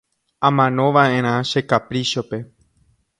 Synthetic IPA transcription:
ãmãnõ̞ʋaʔẽ̞ɾ̃ãʃe̞kapɾiʃo̞pe̞

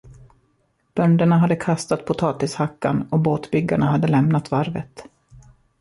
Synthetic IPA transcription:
b̥œnd̪əɳaɦad̪ːəkʰast̪at̪̚pʰʊt̪ʰɑːt̪ɪshakːa̰nɔboːt̪bʏɡːaɳaɦad̪ːəlɛmnat̪vaɾvə̰t̪

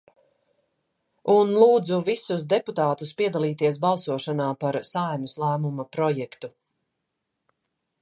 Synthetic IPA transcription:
unlˠuːd̪zuvisusd̪eput̪aːt̪uspiɛd̪alˠiːt̪iɛs̬balˠsuɔʃanaːpaɾsajmuslˠæːmumapɾɔjɛkt̪u

